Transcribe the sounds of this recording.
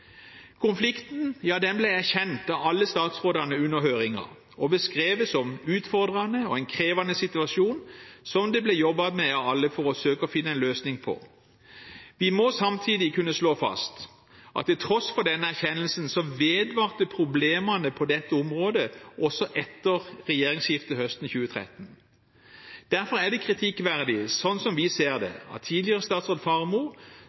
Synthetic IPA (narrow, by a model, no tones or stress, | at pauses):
kʰʊnflɪkt̪n̩jɑːd̪ɛnblæɪæʁçɛnt̪ɑʋɑlːəst̪ɑːt̪sʁoːd̪ɑnəʉnːəʁɦøːʁɪŋɑ̰ | ɔbəskʁeːʋəsɔmʉːt̪fɔʁd̪ʁɑnəɔɛɪnkʰʁeːʋɑnəsɪt̪ʉɑʂuːnsɔmd̪ɛblɛjɔbːɑt̪mɛɑɑlːəfɔʁɔsøːkəɔfɪnːəɛɪnløːsnɪŋpʰɔ̰ | ʋɪmɔsɑmt̪ʰiːd̪ɪkʰʉnːəsloːfɑ̰st̪ | ʔɑ̰t̪ʰːɛlt̪ʰʁɔsfɔʁd̪ɛnːəæʁçɛnːəlsənsɔʋeːd̪ʋɑːʁt̪əpʰʁʊbleːmɑnəpʰɔd̪ɛt̪ːəɔmʁoːd̪əʔɔsɔʔɛt̪ːəʁʁɛjeːʁɪŋsjɪft̪əhœst̪n̩çʉːət̪ʰʁɛ̰t̪ːən̩ | d̪̥æʁfɔʁæʁd̪ɛkʰʁɪt̪ʰɪkːʋæʁd̪ɪsɔnːsɔmʋɪseːʁd̪ɛ̰ɑ̰t̪ʰːiːd̪lɪəʁəst̪ɑːt̪sʁoːd̪fɑʁmuː